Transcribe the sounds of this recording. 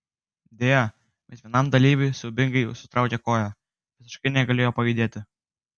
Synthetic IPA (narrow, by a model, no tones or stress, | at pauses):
d̪ʲeːjo | ʋɐsʋʲiɛnɐmd̪ɐlʲiːʋʲʊɪsʊbʲɪŋɡɐɪsʊt̪ɾɑˑʊkʲɛkoːjo | ʋʲɪsʲɪ̥ʃkɐɪnʲɛɡɐlʲeːjoːpɐjid̪ʲeːt̪ʲɪ